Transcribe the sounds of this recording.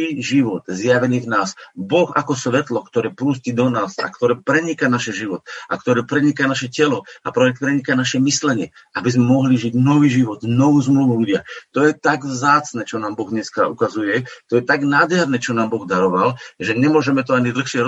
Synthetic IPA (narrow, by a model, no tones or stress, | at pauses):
iːʒiʋɔt̪zjaʋɛniːvnaːsbɔxa̰kɔsʋɛt̪lɔkt̪ɔɾɛːpɾuːscid̪ɔnaːsa̰kt̪ɔɾɛːpɾɛɲikanaʃɛʒiʋɔt̪akt̪ɔɾɛːpɾɛɲikanaʃɛcɛlɔapɾɔɛk̪̚pɾɛɲikanaʃɛmislɛɲɪɛ | ʔabizmɛmɔɦliʒiɟnɔʋiːʒiʋɔd̪nɔʋuːzmluʋuluɟɪat̪ɔjɛt̪aɡvzaːt͡snɛːt͡ʃɔnaːmbɔɣɲɛskaukazujɛt̪ɔjɛt̪aɡnaːd̪ɦɛɾnɛːt͡ʃɔnaːmbɔɣd̪aɾɔʋalʒɛɲɛmʊɔʒɛmɛt̪ɔaɲid̪l̩xʃɪɛɾ